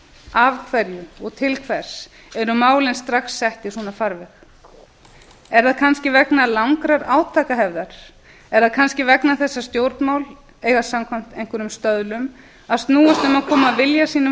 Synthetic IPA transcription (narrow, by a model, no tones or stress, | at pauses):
avkʰvɛɾjʏɔɣt̪ʰɪlkʰvɛɾ̥s | ɛɾʏmaːwlɪnst̪ɾaxsːɛht̪isɔːnafaɾvɛx | ɛɾðaðkʰanscɪvɛknalawŋkɾaɾaːwt̪ʰaːkaɦɛvðaɾ̥ | ɛɾðaðkʰanscɪvɛknaθɛsːast̪jowɾt̪nmawl | eːjɣasamkʰvam̥t̪ejŋ̥kʏɾʏmst̪œðlʏm | aðst̪nuːast̪ʏmaðkʰɔːmaðvɪljasiːnʏ